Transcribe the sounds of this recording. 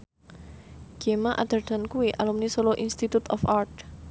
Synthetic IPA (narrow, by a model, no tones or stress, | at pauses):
ɡ̥emaʔa̰d̪̥ərd̪̥ankuwiʔalumnisoloʔinst̪it̪ut̪ɔ̰fart̪̚